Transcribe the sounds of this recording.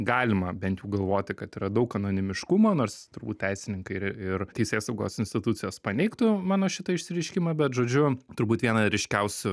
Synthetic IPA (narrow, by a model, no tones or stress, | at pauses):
ɡɑːlʲɪmɐbʲɛnt̪juːɡɐlˠʋoːt̪ʲɪkɐt̪iːɾɐd̪ɐʊkɐnoːnʲɪmʲɪʃkʊmoːnoːɾst̪ʊɾbuːt̪tʲɛɪsʲɪnʲɪŋkɐɪɪrtʲɛɪsʲeːsɐʊɡo̰ːsɪnʲsʲt̪ʲɪt̪ʊt̪t͡ssʲɪjoːspɐnʲɛɪkt̪ʊːmɑːnoːʃʲɪt̪ɐɪʃʲsʲɪɾʲɛɪʃʲkʲɪmɐbʲɛt̪ʒoːd͡ʒʲʊt̪ʊɾbuːt̪ʋʲiɛnɐɾʲɛɪʃʲkʲɛʊsʲʊ